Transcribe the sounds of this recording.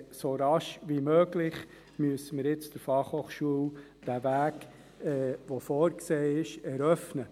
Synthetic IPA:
soɾɑʃʋimøːɡlɪχ | myəsəməɾjɪt͡sd̥əɾfɑχhoːχʃuəw | d̥ævæːk | ɛʋofoːɾkseːɪʃɛɾœfnə

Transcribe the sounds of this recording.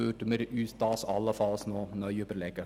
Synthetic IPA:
ʉːʈəmeɾʉːst̪ɑːsɑləfɑlsnoːnœʏʉpəɾleːkə

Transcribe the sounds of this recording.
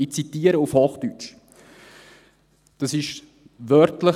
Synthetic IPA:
it͡sitiːəɾəufhoːχtyt͡ʃ | d̥ɑsɪʃ | ʋœɾtlə

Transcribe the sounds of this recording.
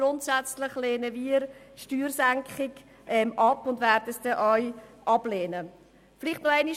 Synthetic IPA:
ɾʊntsæt͡slɪχleːnəviəɾʃtyːɾsæŋkχɪɡ | ʔɛmʔɑpʊndvæɾd̥əsd̥ɛʔɔʏjʔɑb̥leːnə | fɪlɪχtnɔæɪni

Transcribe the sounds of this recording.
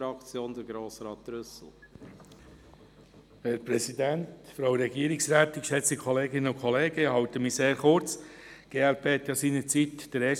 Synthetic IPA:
ɾɑkt͡sjoːnd̥̪əɾɡɾoːsɾɑːt̪̚ɾʏsl̩ | hɛɾpɾɛsidæntfɾawɾɛɡiːəɾɪksɾæːt̪ɪkʃɛt͡sikʰɔleːɡɪnəʊkʰɔleːɡəhɑwtəmiseːɾχʊɾt͡sɡ̥eːæɾpʰeːhɛt̪jɑsiːnət͡sitd̥əɾɛ

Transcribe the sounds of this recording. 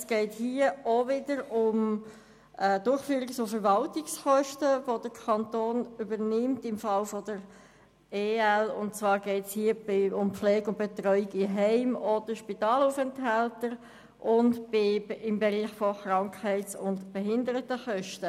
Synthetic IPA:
sɡ̥ɛɪthiəovɪdəɾʊm | ɛːdʊɾχfyːɾɪksofəɾvɑltɪksχœʃtəvod̥əɾkʰɑntoːnybəɾnɪmtɪmfɑlfɔdəɾ | eːɛlʊ̰ntt͡svɑːɾɡɛɪtshiːəbɪʊmpflɛːɡʊnt̚b̥ɛt̪ɾœʏiɡɪɦɛɪmod̥əʃpitɑːluːfɛntɦaltəɾ | ʔʊntbɪɪmbɛʁiːχfɔχɾɑŋkhɛɪtsʊntb̥ɛɦɪndəɾətəχœʃtə

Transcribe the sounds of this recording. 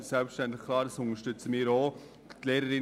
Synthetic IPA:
sɛlpsʃtɛnt̪lɪχkʰlɑːɾəsʊnəʃtʏt͡səmiːɾoː | t̪leːɾəɾɪ

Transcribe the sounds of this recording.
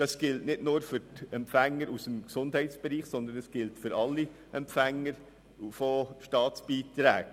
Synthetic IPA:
d̥ɑsɡ̥ɪltnɪdnʊːɾfʏɾtɛmpfæŋːəɾusəmksʊndhɛɪtsb̥ɛɾiːχsɔnd̪ənəsɡ̥ɪltfʏɾɑlːi | ʔɛmpfæŋːəɾ | fɔʃtɑːtsb̥iːt̪ɾæ̰ːk

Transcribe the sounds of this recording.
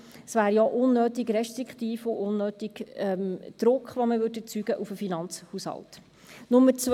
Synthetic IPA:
svæːɾjɔʔʊnːøːtɪɡɾɛʃt̪ɾikχt̪iːfʊʔʊnːøːtiɡ̥ɛmd̪̥ɾʊkχʋoməvʏdɛt͡syɡ̥əʔufəfinɑnt͡shushɑ̰lt | nʊmːət͡s

